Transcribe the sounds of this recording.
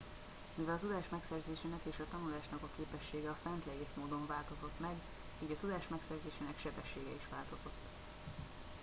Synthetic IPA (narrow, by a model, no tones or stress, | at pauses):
mivɛlɒt̪ud̪aːʃmɛksɛrzeːʃeːnɛkeːʃɒt̪ɒnulaːʃnɒkɒkeːpɛʃːeːɡɛɒfɛnt̪lɛjeːʃmoːd̪o̞ɱvaːlt̪o̞zo̞t̪mɛɡ | iːɟɒt̪ud̪aːʃmɛksɛrzeːʃeːnɛkʃɛbɛʃːeːɡɛiʃʋaːlt̪o̞zo̞t̪ː